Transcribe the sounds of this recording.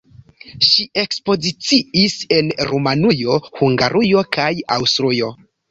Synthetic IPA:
ʃiʔe̞kspo̞zit͡siise̞nɾumanujo̞huŋɡa̰ɾʔujo̞kʰaja̰wstɾujo̞

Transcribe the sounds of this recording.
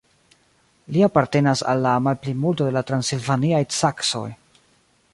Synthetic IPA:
liapaɾte̞nasa̰lːamalplimultode̞latɾansilvaniajt͡sakso̞̰j

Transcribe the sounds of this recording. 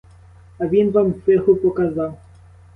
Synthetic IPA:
avʲinvamsvɛxupɔkazaw

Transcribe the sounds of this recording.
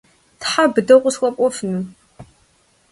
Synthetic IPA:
tħabɨdɐqʷʼʊsxʷʼɔpʷʼɔfnɨ

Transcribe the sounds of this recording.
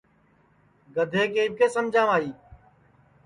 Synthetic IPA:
ɡəd̪ʱeːkeːb̚kʰeːsəmd͡ʒʱãːʋaːiː

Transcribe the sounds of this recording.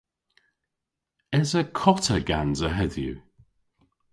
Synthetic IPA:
ɛzəkʰɔtəɡa̰nzəɦɛðjṵ

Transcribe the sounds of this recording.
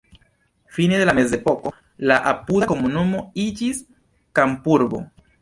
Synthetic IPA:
fined̪e̞lame̞ze̞po̞ko̞ | laʔapudako̞munumo̞id͡ʒis | kampuɾbo̞̰

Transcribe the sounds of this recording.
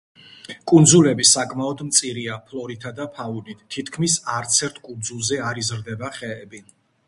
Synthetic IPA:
kʼund̪zulɛbisakʼmaɔd̪mt̪sʼiɾiapʰlɔɾit̪ʰad̪apʰaunit̪ʰːit̪ʰkʰmisaɾt̪sʰɛɾt̪ʰkʼund̪zulˠzɛaɾizɾd̪ɛbaχɛːbi

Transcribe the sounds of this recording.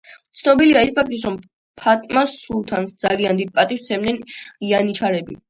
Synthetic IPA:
t̪sʰnɔbiliaispʰak̚t̪ʼisɾɔm | pʰat̪ʼmasulˠt̪ʰansd̪z̥aliand̪id̪̚pʼat̪ʼist̪sʰɛmnɛnianit͡ʃʰaɾɛbḭ

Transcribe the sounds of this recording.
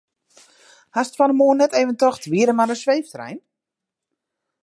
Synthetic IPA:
hastfanəmoənːɛteːvəntɔxtʋiəɾəmaɾəsʋejftrɛ̰jn

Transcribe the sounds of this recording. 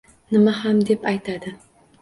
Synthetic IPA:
nɪmahamd̪e̞pajt̪ʰad̪ɪ

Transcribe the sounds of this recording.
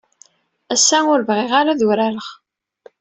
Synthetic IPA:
æsːæʊɾvʁeʁaɾaðuɾæɾəχ

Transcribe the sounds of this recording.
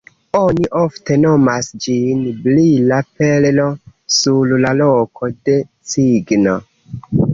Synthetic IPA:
oniʔofte̞nomasd͡ʒinblilapello̞sullalokʰo̞de̞t͡siɡno

